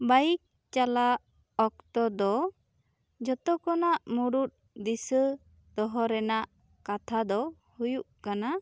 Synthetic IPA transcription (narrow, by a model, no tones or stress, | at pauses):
bajik̚ | t͡ʃala | ɔk̚t̪ɔd̪ɔ | d͡ʒɔt̪ɔkɔnaʔmuɾut̪̚ | d̪isə | d̪̥ɔɦɔɾɛnaʔ | kat̪ʰad̪ɔ | hujuʔkana